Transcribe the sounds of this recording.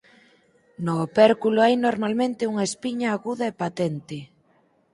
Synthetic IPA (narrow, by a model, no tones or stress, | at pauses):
nopɛɾkuloajnoɾmalmẽnt̪ɪuŋaespiɲaːɣuðɐepat̪ɛnt̪e